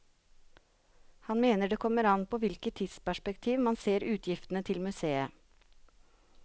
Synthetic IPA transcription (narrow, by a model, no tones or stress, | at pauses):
hɑnmeːnəɖeːkʰɔmːəɾɑnpʰoːʋɪlkət̪ʰːiːd̪spæʂpəkt̪ʰiːʋmɑnseːɾʉːt̪ʰjɪft̪n̩ət̪ʰɪlmʉseːə